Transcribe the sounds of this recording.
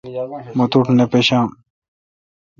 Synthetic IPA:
mot̪uʈʰnepeɕãːm

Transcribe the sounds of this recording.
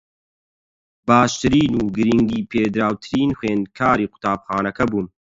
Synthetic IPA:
baːʃt̪ɨɾiːnuːɡɨɾiŋɡiːpʰeːd̪ɾaːwt̪ʰɨɾiːnxweːnd̪kʰaːɾiːqʊ̥t̪aːbxaːnɐkɐbuːn

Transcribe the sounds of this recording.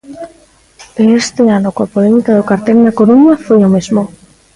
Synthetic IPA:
peest̪eanokoapolemikaðokaɾt̪elnakoɾuɲafojomezmo

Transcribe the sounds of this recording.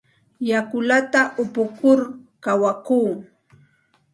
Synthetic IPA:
jakʊlat̪aʔʊpʊkʊɾkawakuː

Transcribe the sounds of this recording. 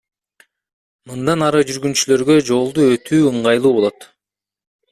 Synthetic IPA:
mɯnd̪ɑnɑɾɯd͡ʒyɾɡynt͡ʃylø̞ɾɡø̞d͡ʒo̞lˠd̪uøt̪ʰyːɯɴʁɑjlˠuːbo̞lˠot̪

